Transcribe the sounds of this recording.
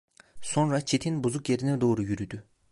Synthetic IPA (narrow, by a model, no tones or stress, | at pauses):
so̞nɾat͡ʃʰet̪ʰinbuzukjeɾinɛd̪o̞ːɾujyɾyd̪y